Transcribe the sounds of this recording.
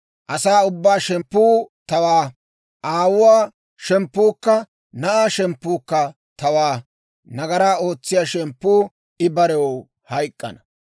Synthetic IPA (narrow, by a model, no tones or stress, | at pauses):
ʔɐsaːʊbːaːʃɛmpːuːt̪ɐwaː | ʔaːwʊwaː | ʃɛmpːuːkːɐ | nɐʔaːʃɛmpːuːkːɐ | t̪ɐwaː | nɐɡɐɾaːo̞ːt͡sːɪjaːʃɛmpːuː | ɪbɐɾɛwo | hɐjkʼːɐ̰nɐ